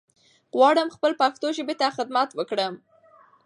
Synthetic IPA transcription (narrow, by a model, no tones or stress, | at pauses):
ɣwɑɽəmxpəlpaxt̪oʒəbet̪axɪd̪mat̪wəkɽəm